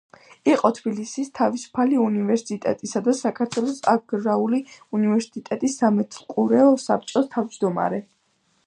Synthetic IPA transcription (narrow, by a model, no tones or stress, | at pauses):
iqʼɔt̪ʰbilisist̪ʰavisu̥pʰaliunivɛɾsit̪ʼɛ̰t̪ʼisad̪asakʰaɾt̪ʰwɛlˠɔsa̰ɡɾauliunivɛɾsit̪ʼɛt̪ʼisːamɛt̪ʰlˠkʼuɾɛɔsa̰p̚t͡ʃʼɔst̪ʰavd͡ʒd̪ɔma̰ɾɛ